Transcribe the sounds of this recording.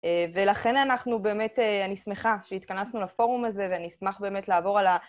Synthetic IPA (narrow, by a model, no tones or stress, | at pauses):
eve̞laχe̞nanaχnube̞ːme̞teanisme̞χaʃeitkanasnulafo̞ʁumaze̞veanismaχbe̞ːme̞tlaːvo̞ʁala